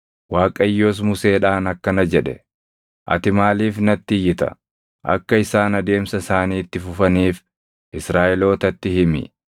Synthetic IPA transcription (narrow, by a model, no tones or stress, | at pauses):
waːkʼɐjːoːs̬mʊse̞ːᶑaːnɐkːɐnɐd͡ʒɛᶑɛ̰ | ʔɐ̰t̪ɪmaːliːfnɐt̪ːɪjːɪt̪ɐ̰ | ʔɐ̰kːɐɪsaːnɐd̪e̞ːmsɐsaːniːt̪ːɪfʊfɐniːf | ʔɪsɾaːʔɛlo̞ːt̪ɐt̪ːɪhɪmɪ̰